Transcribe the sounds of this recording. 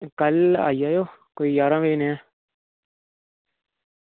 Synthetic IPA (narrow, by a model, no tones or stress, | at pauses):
kəla̰ːijaːjoːkoijaːɾãːʋeːnɛ̃ː